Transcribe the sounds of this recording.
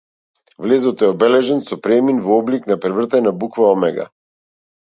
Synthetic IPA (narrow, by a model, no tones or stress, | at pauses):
vlɛzɔt̪ɛɔbɛlɛʒɛnsɔpɾɛminvɔɔbliknapɾɛvr̩t̪ɛnabukvaɔmɛɡa̰